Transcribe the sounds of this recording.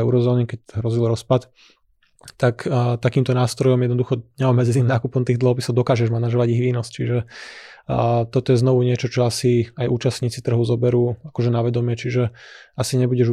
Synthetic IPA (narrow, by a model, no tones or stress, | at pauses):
ɛʊɾɔzɔːnikɛcɦɾɔzilɾɔspat̪ | t̪akt̪akiːmt̪ɔnaːst̪ɾɔjɔmjɛd̪nɔd̪uxɔɲɛɔmːɛd͡zɛniːmnaːkupɔmt̪iːɣd̪lɔɦɔpisɔʊd̪ɔkaːʒɛʒmanaʒɔʋaɟiɣʋiːnɔst͡ʃiʒɛ | t̪ɔt̪ɔjɛznɔʋuɲɪɛt͡ʃɔt͡ʃɔasiajʔuːt͡ʃasɲiːt͡sit̪r̩ɦɔzɔbɛɾuːakɔʒɛnaʋɛd̪ɔmɪɛt͡ʃiʒɛasiɲɛbuɟɛʒ